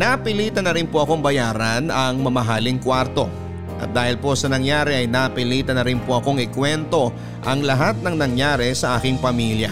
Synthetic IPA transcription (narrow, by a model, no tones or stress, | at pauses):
nɐpɪliːt̪ɐnɐɾɪnpo̞ʔɐko̞ɐŋbɐjaːɾɐnɐŋmɐmɐɦaːlɪŋkwaɾt̪o̞ | ʔɐ̰t̪̚d̪aːhɪlpo̞sɐnɐŋjaːɾɛʔɐjnɐpɪliːt̪ɐnɐɾɪnpo̞ʔɐko̞ŋɪkwɛnt̪o̞ | ʔɐŋlɐɦat̪̚nɐŋnɐŋjaːɾɛsɐʔaːkɪŋpɐmiljɐ̰